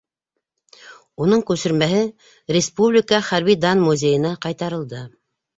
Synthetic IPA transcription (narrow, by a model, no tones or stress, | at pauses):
unɤɴkʉsɘ̆ɾmæɦɘ | ɾʲɪspublʲikəχæɾβid̪ɑnmuzʲejɤ̆nɑqɑjt̪ɑɾɤ̆lˠd̪ɤ